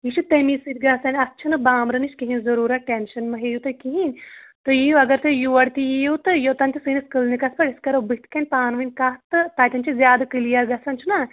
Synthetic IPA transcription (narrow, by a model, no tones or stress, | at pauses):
jiʃʰut̪emisɨt̪̚ɡaːsɐnʲɐtːt͡ʃʰɐnɨbaːmɾɨniʃkiɦinʲzɐɾuːɾaʈenʃɐnmɐɦejut̪ɐkiɦinʲt̪ojijuɐɡɐɾt̪ɨjuʋɐɽt̪ijejuwt̪ɨjoːt̪ɐnʲt̪ʲisɨniskɨlnikɐspɐɽiskɐɾobɨt̪ʰkʰɐnʲpaːnʋɨnʲkat̪ɨt̪aːt̪ʲɐnt͡ʃʰizʲjaːd̪ɐkɨlijɐɾɡɐsɐnt͡ʃʰuna